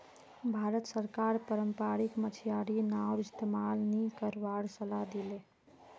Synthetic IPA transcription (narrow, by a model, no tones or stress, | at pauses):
bʱaɾət̪səɾkaɾpəɾəmpɾaɾikmət͡ʃʰijaɽinawɪst̪emalnikəɾbaɾsəlad̪ile